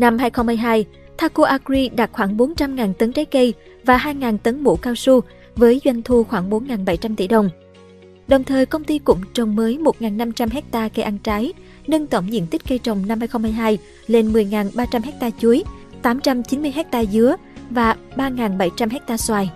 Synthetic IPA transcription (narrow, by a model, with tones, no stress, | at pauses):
na˧mhaː˧jxə˧wŋ͡mmːa˧jɦaː˧j | t̪ʰaː˧ko˧ʔaː˧kɾi˧ɗa˨˩t̚xwaː˧˩ŋɓo˨˦nt͡ɕa˧mŋaː˨˩nt̪ə˨˦ŋt͡ɕaː˨˦jkə˧j | vaː˨˩ɦaː˧jŋaː˨˩nt̪ə˨˦ŋmṵ˧˩kaː˧wsu˧ | vəː˨˦jzwa˧jŋ̟t̪ʰu˧xwaː˧˩ŋɓo˨˦nŋaː˨˩nɓa˧˩jt͡ɕa˧mt̪ḭ˧˩ɗə˨˩wŋ͡m | ɗə˨˩wŋ͡mt̪ʰəː˨˩jkə˧wŋ͡mt̪i˧kʊ̰˧˥ŋ͡mt͡ɕə˨˩wŋ͡mməː˨˦jmo˨˩t̚ŋaː˨˩nːa˧mt͡ɕa˧mɦɛ˦˥k̚t̪aː˧ke˧ʔa˧nt͡ɕaː˨˦j | nə˧nt̪ə˧˩wŋ͡mzḭ˧˥ənt̪i˦˥k̟̚kə˧jt͡ɕə˨˩wŋ͡mna˧mhaː˧jxə˧ŋ͡mmaː˧jɦaː˧j | le˧nmɨ˨˩əjŋaː˨˩nɓaː˧t͡ɕa˧mhɛ˦˥k̚t̪aː˧t͡ɕu˨˦əjt̪aː˨˦mt͡ɕa˧mt͡ɕi˨˦nmɨ˧əjɦɛ˦˥k̚t̪aː˧zɨ˨˦ə | vaː˨˩ɓaː˧ŋaː˨˩nɓa˧˩jt͡ɕa˧mhɦɛ˦˥k̚t̪aː˧swaː˧j